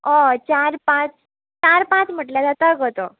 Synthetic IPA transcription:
ot͡ɕaɾpãt͡s | t͡ɕaɾpãt͡sm̤əʈljad͡z̪at̪aɡot̪o

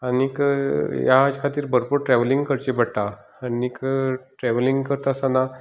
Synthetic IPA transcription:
anikjad͡zkʰat̪iːɾbəɾpuɾʈɾɛʋliŋɡkəɾt͡ɕebəɽʈ̪a | nikʈɾɛʋliŋɡkəɾt̪aəsana

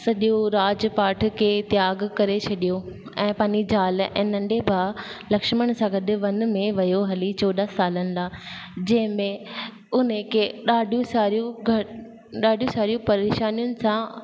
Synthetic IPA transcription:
sɐɗijũɾaːd͡ʑpaːʈʰkʰeːt̪jaːɡkɐɾet͡ɕʰɐɗijo | ɛ̃ːpaːɲd͡ʑid͡ʑaːlɛ̰̃ːnɐ̃ɳɖebʱaːlɐkʃməɽ̃sãɡɐd̪ɪʋɐn̆mẽʋɐjoɦɐlit͡ɕɔːd̪asaːlənɪ̆d̪aːd͡ʑɐ̃ɦɪ̃mẽ | ʊnekʰeɗaːɖijũsaːɾijũɡʱɐ | ɗaːɖʱijũsaːɾijũpɐɾeːʃaːnijʊnɪ̆sã

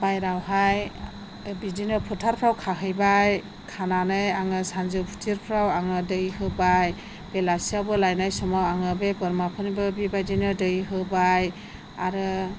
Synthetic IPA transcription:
bajɾawɦaj | bidinɯpʰutʰaɾpʰɾawkʰaɦɯjbaj | kʰananɯjaŋɯsanzɯpʰu̥tʰiɾpʰɾawaŋɯdɯjhɯbaj | b̥elasiabɯlajnajsɔmawaŋɯbebɔɾmapʰɯnibɯbibajdinɯdɯjɦɯbaj | a̰ɾɯ

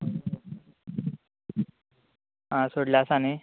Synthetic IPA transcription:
ɦãsoɽljasane

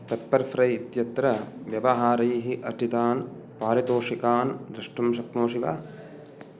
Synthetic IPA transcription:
pepːɐɾfɾɐjit̪jɐt̪ɾɐʋjɐʋɐɦaːɾɐjɦiʔɐʈit̪aːn | paːɾit̪oːʂikaːnd̪ɾɐʂʈumʃɐkmoːʂiʋa̰

